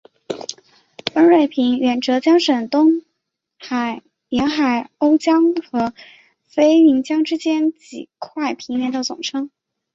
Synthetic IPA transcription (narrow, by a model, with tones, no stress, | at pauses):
ə˥ɻe˥˩ɪpʰi˧˥ŋɥɛ˨˩nʈ͡ʂɤ˧˥t͡ɕjɑ˥ŋʂə˨˩nt̪ʊ˥ŋ | xa˨˩ɪ | jɛ˧˥nxa˨˩ɪo˥ʊt͡ɕjɑ˥ŋxɤ˧˥ | fe˥ɪi˧˥ŋt͡ɕjɑ˥ŋʈ͡ʂɻ̩˥t͡ɕjɛ˥nt͡ɕḭ˨˩kʰwa˥˩ɪpʰi˧˥ŋljɛ˧˥nt̪ɑ˥˩t͡sʊ̰˨˩ŋʈ͡ʂʰɤ˥ŋ